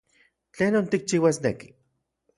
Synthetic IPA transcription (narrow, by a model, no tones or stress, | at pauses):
t͡ɬeːnont̪ik̚t͡ʃiːwasneki̥